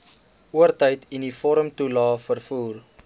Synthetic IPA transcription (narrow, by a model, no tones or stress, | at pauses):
uərtəjtindifɔɾəmtulɑːfərfuːr